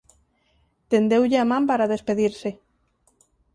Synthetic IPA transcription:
t̪end̪ewʎeamãmpaɾaðespeðiɾse

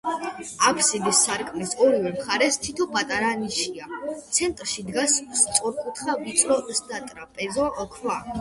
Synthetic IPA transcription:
apʰsid̪isːaɾkʼmɛsɔɾivɛmχaɾɛst̪ʰit̪ʰɔpʼat̪ʼaɾaniʃiat̪sʰɛnt̪ʼɾʃid̪ɡasst̪sʼɔɾkʼut̪ʰχavit̪sʼɾɔʔsd̪at̪ʼɾapʼɛzɔkʰwa

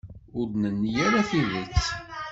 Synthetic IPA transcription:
ʊɾnənːjæɾaθiðət͡sː

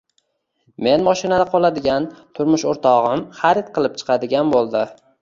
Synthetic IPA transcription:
me̞nmɒʃɪnad̪aqʰɒlˠad̪ɪɡʲant̪ʰʊɾmʊʃoɾt̪ʰɒʁɨmχaɾɪt̪̚qʰɨlˠɪp̚t͡ʃʰɨ̥qʰɑd̪ɪɡʲanbolˠd̪ɪ

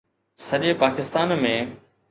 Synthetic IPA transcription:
sɐʄepaːkɪst̪aːnmẽː

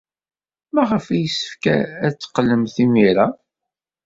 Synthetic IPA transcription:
mæʁəfæjəsːə̥fkæ̰æt͡sːə̥qːəlːəmθimiɾa

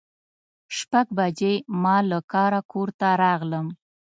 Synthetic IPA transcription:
ʃpaɡbad͡ʒejmɑlakɑɾakoɾt̪aɾɑɣləm

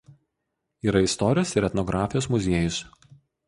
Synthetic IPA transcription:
iːɾɐɪst̪ɔɾʲɪjoːsɪɾʲɛt̪nɔɡɾɑːfʲɪjoːsmʊzʲeɛjʊs

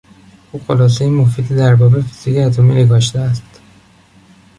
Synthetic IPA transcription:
ʔuːxo̞lɒːs̬ejemofiːd̪id̪æɾbɒːbefi̥z̥icʰeæt̪ʰomineɡɒːʃt̪eæst̪

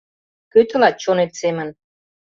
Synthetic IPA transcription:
køt̪ɘ̆lɑt̪̚t͡ɕonet̪semə̆n

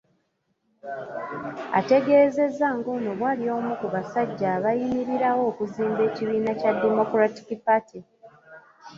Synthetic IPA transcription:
a̰te̞ɡe̞ːze̞zaŋɡo̞no̞βwaːlio̞ːmukuβasaɟːaːβajimiɾiɾawo̞ːkuziːmbe̞ːciβiːnacadːemo̞kɾati̥kipati

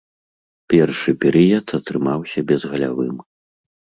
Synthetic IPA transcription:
pʲɛrʂɨpʲɛɾɨjɐt̪ɐt̪ɾɨmawsʲabʲɛzɣɐlʲa̰vɨm

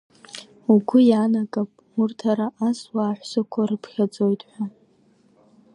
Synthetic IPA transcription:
uɡʷʊjanakʼapʼ | urtʰaɾaʔaswaːħʷsakʷʰarɨpʰχʲad͡zʼo̞jtʼħʷᶣa

